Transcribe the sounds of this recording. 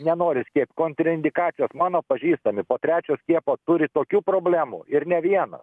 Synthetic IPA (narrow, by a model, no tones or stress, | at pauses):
nʲɛnoːɾʲɪsʲkʲiɛpʲkoːnʲt̪ʲɾʲɪnʲd̪ʲɪkɑːt͡s̪ʲɪjoːsmɑːnoːpɐʒʲiːst̪ɐmʲɪpoːt̪ʲɾʲæːt͡ʃʲoːsʲkʲiɛpoːt̪ʊɾʲɪt̪oːkʲuːpɾoːbʲlʲæːmṵːɪɾnʲɛʋʲiɛnɐ̰s